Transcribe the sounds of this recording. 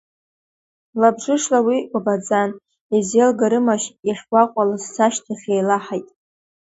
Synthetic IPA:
labʐɨʂlawiɡʷabad͡zan | ezelɡaɾɨmaʃiχʲɡʷaqʷʼalazsaʃtʰaχʲejlaħajtʼ

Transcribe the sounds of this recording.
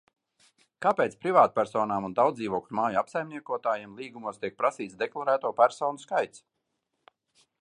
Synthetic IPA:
kapeːt̪spɾivaːt̪̚pʲæɾsɔːnaːmund̪awd̪iːvoɔkmaːjuapsajmniɛkuɔt̪aːjemlˠiːɡumuɔst̪iɛk̚pɾasiːt̪sd̪ɛklˠaɾæːt̪uɔpʲæɾsɔːnuskajt̪s

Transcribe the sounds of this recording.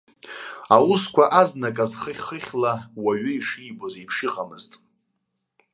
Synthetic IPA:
awʊskʷʰaʔaznakʼazχəχʲχəχʲlawaɥʏiʂijbozipʰʂɪqʼamɨztʼ

